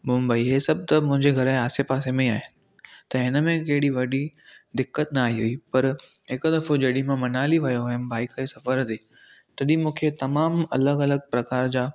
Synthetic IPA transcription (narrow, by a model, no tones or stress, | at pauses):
mʊmbəiɦeːsɐb̚t̪ɐmʊ̃ɦɪ̃ɲd͡ʑeɡʱɐɾaːsepaːsemẽaːɦɪnɪ̆ | t̪ɐɦɪnəmẽk̬ɐɦɪɽiʋɐɗid̪ɪkːət̪nɐaaːɦiɦʊiːpɐɾɦɪkd̪ɐfod͡ʑɐɗĩmãmɐnaːliʋɐjoɐɦɪnɪbaːɪkesɐfəɾd̪eː | t̪ɐɗĩmũːkʰet̪ɐmaːmɐləɡɐləɡ̚pɾɐkaːɾd͡ʑaː